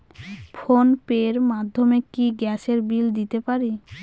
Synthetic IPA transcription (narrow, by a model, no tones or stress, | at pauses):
fʰonpeɾmad̪ʱːomekiɡɛʃeɾbild̪it̪epaɾi